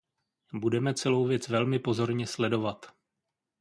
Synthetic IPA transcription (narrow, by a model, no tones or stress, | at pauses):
budɛmɛt͡sɛlo̞wvjɛt͡svɛlmɪpo̞zo̞ɾɲɛslɛdo̞vat̪